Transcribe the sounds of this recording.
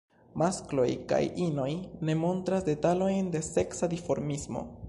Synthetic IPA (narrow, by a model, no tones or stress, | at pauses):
masklo̞̰jka̰jino̞jne̞mo̞ntɾasde̞talo̞jnde̞se̞ksadifo̞ɾmismo̞̰